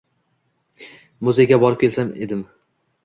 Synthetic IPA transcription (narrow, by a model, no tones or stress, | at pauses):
mʊzeɡʲabɒɾɪp̚kʲʰe̞lsamḛd̪ɪm